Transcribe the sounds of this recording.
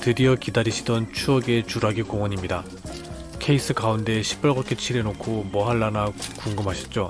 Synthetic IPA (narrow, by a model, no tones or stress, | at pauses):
tɯɾiʌkidaɾiɕʰidʌnt͡ɕʰuʌɡe̞t͡ɕuɾaɡikoŋwʌɲimɲida | kʰe̞is͈ɯkaunde̞ɕʰi̥p͈ʌɭɡak͈ʰet͡ɕʰiɾe̞nokʰomʌɦaɭːanakuŋɡɯmɦaɕʰi̥t̚t͡ɕ͈o